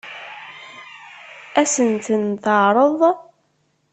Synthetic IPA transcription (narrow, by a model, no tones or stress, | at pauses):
æsənt̪ənt̪əʕɾˤəðˤ